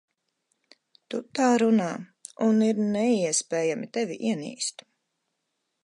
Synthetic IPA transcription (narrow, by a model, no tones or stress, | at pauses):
t̪ut̪aːɾunaːuniɾnɛiɛspeːjamit̪ɛviʔiɛnḭːst̪